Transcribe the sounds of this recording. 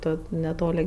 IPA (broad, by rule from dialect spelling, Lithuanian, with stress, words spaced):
ˈtoː nʲɛˈtoːlʲɪ